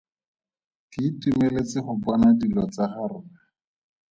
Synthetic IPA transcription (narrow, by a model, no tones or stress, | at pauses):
kɪtumelet͡sɪχʊbɔnadilɔt͡saχarʊa